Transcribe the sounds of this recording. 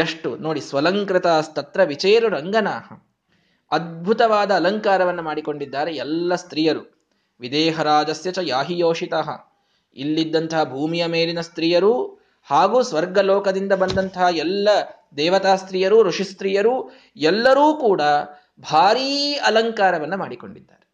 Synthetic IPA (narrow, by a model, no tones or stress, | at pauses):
ɐʂʈunoːɽisʋɐlɐŋkɾɪt̪aːst̪ɐt̪ɾɐʋit͡ʃeːɾuɾɐŋɡɐnaːɦɐ | ɐd̪̚bʱut̪ɐʋaːd̪ɐːlɐŋkaːɾɐʋɐnːɐmaːɽiko̞ɳɖid̪ːaːɾeɛlːɐst̪ɾiːjɐɾu | ʋid̪eːɦɐɾaːd͡ʒɐsjɐt͡ʃɐjaːɦijoːʂit̪aːɦɐ̰ | ḭlːid̪ːɐnt̪ɐɦɐbʱuːmijɐmeːlinɐst̪ɾijɐɾu | haːɡuːsʋɐɾɡɐloːkɐd̪ind̪ɐbɐnd̪ɐnt̪ɐɦɐɛlːɐ | d̪ɛːʋɐt̪aːst̪ɾijɐɾuɾuʂist̪ɾiːjɐɾu | ɛlːɐɾuːkuːɽɐ | bʱaːɾiːɐlɐŋkaːɾɐʋɐnːɐmaːɽiko̞̰ɳɖid̪ːa̰ːɾe